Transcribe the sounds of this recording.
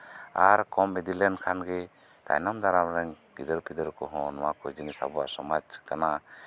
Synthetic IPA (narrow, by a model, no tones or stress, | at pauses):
aɾkɔmːɛd̪ilɛnkʰanɡɛ | t̪a̰jnamd̪aɾamɾɛŋ | kid̪əɾpid̪əɾkɔɦɔnwakɔd͡ʒinisa̰bɔasɔmad͡ʒkana